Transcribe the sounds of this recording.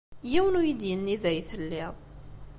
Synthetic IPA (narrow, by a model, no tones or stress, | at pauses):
jiwənujid̪jənːiðæjθəlːɪðˤ